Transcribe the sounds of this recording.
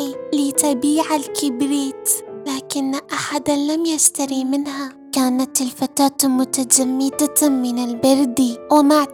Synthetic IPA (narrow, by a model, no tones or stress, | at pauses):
lit̪abiːʕalkɪbɾiːt̪laːkɪnːʔaħad̪alamjast̪aɾimɪnha | kaːnat̪ɪlfat̪aːt̪mʊt̪ad͡ʒamːid̪amɪnɪlbɑɾd̪iwɪmaʕ